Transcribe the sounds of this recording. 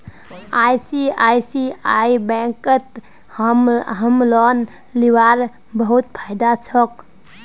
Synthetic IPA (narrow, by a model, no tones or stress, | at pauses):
ajsiajsiaibɛ̃kət̪ | mɦəmlɔn | liwaɾ | bəɦut̪̚pʰajd̪at͡ʃʰək